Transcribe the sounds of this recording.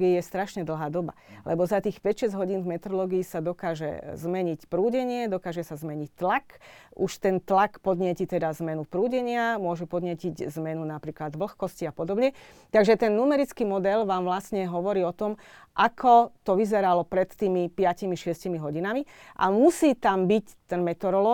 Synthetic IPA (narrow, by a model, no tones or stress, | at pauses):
ɡiijɛst̪ɾaʃɲɛd̪l̩ˠɦaːd̪ɔba̰lʔɛbɔzat̪iːxpɛcʃɛzɦɔɟiːnvmɛt̪ɾɔlɔːɡiisad̪ɔkaːʒɛ̰zmɛɲicpɾuːɟɛɲɪɛd̪ɔkaːʒɛsazmɛɲict̪lakuʃt̪ɛnt̪lakpɔd̪ɲɪɛcit̪ɛd̪azmɛnupɾuːɟɛɲɪamʊɔʒɛpɔd̪ɲɪɛciɟzmɛnunapɾiːklad̪ʋl̩xkɔsciapɔd̪ɔbɲɛ | t̪aɡʒɛt̪ɛnːumɛɾit͡skimɔd̪ɛlʋaːmʋlasɲɛɦɔʋɔɾiːɔt̪ɔm | ʔakʰɔt̪ɔʋizɛɾalɔpɾɛt̪ːiːmipɪacimiʃɪɛscimiɦɔɟinamiʔa̰musiːt̪ambict̪ɛnmɛt̪ɔɾɔlɔ